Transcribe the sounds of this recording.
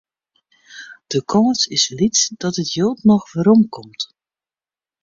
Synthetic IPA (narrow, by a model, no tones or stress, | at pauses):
d̥əkʰɔmsɪslitsd̥ɑtɦətjowtnɔχvəɾɔmkɔmt